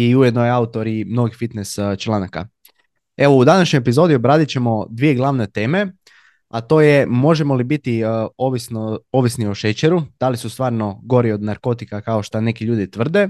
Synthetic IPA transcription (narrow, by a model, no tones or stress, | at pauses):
iujed̪nojeaut̪o̞ɾimno̞ɡifit̪nest͡ʃlˠanaka̰ | e̞ʋo̞ud̪anaʃɲojepizo̞d̪iobɾaːd̪it͡ɕe̞mo̞d̪ʋije̞ɡlˠaʋne̞t̪e̞ːme̞ | at̪o̞ːjemo̞ʒe̞mo̞libit̪ioʋisnoo̞ʋisnioʃet͡ɕeɾud̪̥alisust̪ʋaːɾno̞ɡo̞ɾio̞d̪naɾko̞t̪ikakao̞ʃt̪ane̞kiʎuːd̪it̪ʋr̩d̪e̞